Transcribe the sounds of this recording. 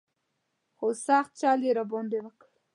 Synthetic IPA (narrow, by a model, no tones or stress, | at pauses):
xosaxt̪̚t͡ʃaleɾabond̪ewəkɽ